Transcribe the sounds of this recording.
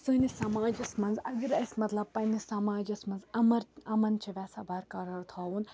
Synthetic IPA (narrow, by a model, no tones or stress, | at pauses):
sɨːnisɐmaːd͡ʒɐsmɐnzɐɡɐɾɐsʲmɐt̪lɐb̚pɐnisamaːd͡ʒɐsmɐnzɐmɐɾɐmɐnt͡ʃʰiʋʲɛːsabɐːɾkɐɾɐɾt̪ʰaːun